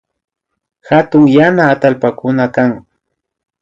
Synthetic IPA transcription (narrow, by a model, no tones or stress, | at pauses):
hat̪ʊŋjanaːt̪alpakʊnakaŋ